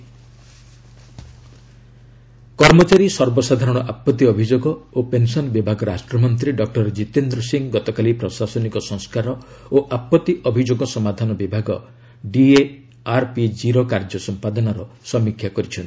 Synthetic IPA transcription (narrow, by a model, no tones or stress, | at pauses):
kɔɾmɔt͡ʃaɾisɔɾbɔsad̪ʱaɾɔɽ̃ɔʔapːɔt̪ːiɔbʱid͡ʒoɡɔopensɔnɔbibʱaɡɔɾasʈɾɔmɔnt̪̬ɾiɖɔk̚ʈɔɾd͡ʒit̪end̪ɾɔsiŋɡɔt̪ɔkalipɾɔsasɔnikɔsɔ̃ŋskaɾɔ | oʔapːɔt̪ːiʔɔbʱid͡ʒoɡɔsɔmad̪ʱanɔbibʱaɡɔ | ɖie | aɾpid͡ʒiɾokaɾd͡ʒɔsɔmpad̪ɔnaɾɔsɔmikʰjakɔɾit͡ʃʰɔnt̪i